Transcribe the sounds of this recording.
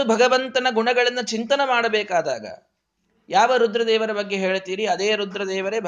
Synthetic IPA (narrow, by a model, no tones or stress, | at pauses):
ubʱɐɡɐʋɐnt̪ɐnɐɡuɳɐɡɐɭɐnːɐt͡ʃint̪ɐnɐmaːɽɐbɛːkaːd̪a̰ːɡɐ̰ | jaːʋɐɾud̪ɾɐd̪ɛːʋɐɾɐbɐɡːe̞ɦeːɭt̪iːɾiɐd̪eːɾud̪ɾɐd̪ɛːʋɐɾeb